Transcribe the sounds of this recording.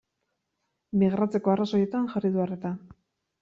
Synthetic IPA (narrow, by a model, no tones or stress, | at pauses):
miɣɾat͡se̞ko̞araso̞je̞t̪anxariðuaret̪a